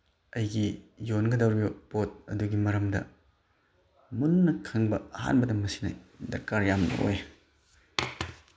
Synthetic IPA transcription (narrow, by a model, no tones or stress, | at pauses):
ɐjɡijonɡɐdɐwɾibɐpot̚ɐ̰duɡimɐɾɐmdɐ̰ | munːɐkʰɐŋbɐɐha̰nbɐdɐmɐsi̥nɐ̰dɐ̰ɾkaɾjamnɐ̰ʔo̰j